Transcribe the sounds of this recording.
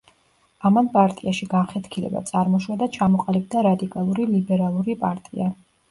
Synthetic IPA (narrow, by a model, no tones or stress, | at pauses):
amanpʼaɾt̪ʼiaʃiɡaχɛt̪kʰilɛ̰ba̰t̪sʼaɾmɔʃwad̪at͡ʃʰamɔqʼalib̚d̪aɾad̪ikʼalˠuɾilibɛɾalˠuɾipʼaɾt̪ʼia